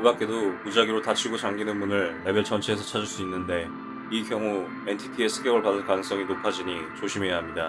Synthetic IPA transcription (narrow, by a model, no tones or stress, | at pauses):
ɭbak͈e̞dopud͡ʑaɡiɾotat͡ɕʰiɡot͡ɕaŋɡinɯnmunɯɭːe̞beɭt͡ɕʰʌnt͡ɕʰeesʰʌt͡ɕʰad͡ʑiɭs͈uinːɯnde̞ | ikjʌŋu | e̞ntʰitʰie̞sʰɯ̥ɡjʌɡɯɭpadɯnkanɯŋs͈ʌŋinopʰad͡ʑiɲit͡ɕoɕʰime̞jaɦamɲida